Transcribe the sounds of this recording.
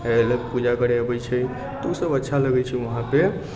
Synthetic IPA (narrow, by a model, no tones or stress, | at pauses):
elpud͡ʒakəɾɛəbɛt͡ʃʰɛ | t̪usəbətːʃʰaləɡɛt͡ʃʰiʋəɦãpe